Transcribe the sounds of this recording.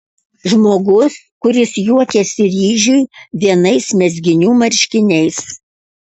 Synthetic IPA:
ʒmoːɡʊs | kʊɾʲɪsjuɔkʲɛːsʲɪɾʲiːʒʲʊjʋʲiɛnɐɪsmʲɛzʲɡʲɪnʲuːmɐɾʲʃʲkʲɪnʲɛɪs

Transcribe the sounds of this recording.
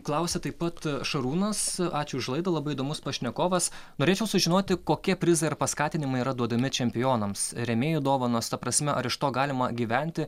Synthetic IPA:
klˠɐʊsʲɛt̪ɐɪpɐt̪ʃɐɾuːnɐsɑːt͡ʃʲʊɪʃlˠɐɪd̪ɐlˠɐbɐɪid̪oːmʊspɐʃʲnʲɛkoːʋɐsnoːɾʲeːt͡ʃʲɛʊsʊʒʲɪnoːt̪ʲɪkoːkʲiɛpʲɾʲɪzɐɪɪɾpɐskɑːt̪ʲɪnʲɪmɐɪiɾɐd̪uɔd̪ɐmʲɪt͡ʃʲɛmʲpʲɪjoːnɐmsɾʲɛmʲeːjʊd̪oːʋɐnoːst̪ɐpɾɐsʲmʲɛʔɐɾɪʃt̪oːɡɑːlʲɪmɐɡʲiːʋʲɛnʲt̪ʲɪ

